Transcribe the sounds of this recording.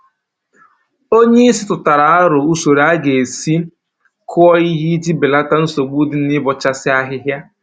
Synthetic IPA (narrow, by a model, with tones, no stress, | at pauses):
o˦ɲe˦i˦sɪ˦tʊ˨ta˨ɾa˨a˦ɾʊ˨u˦so˨ɾa˦ɡe˨si˦ | kʰʊ˦ɔ˦i˦ɦi˦d͡ʒi˦bɪ˨la˦ta˦n̩˦so˨ɡ͡bu˦dɪ˨n̩˦ɪ˦bɔ˨t͡ʃa˦sɪ˦a˦ɦɪ˦ɦja˦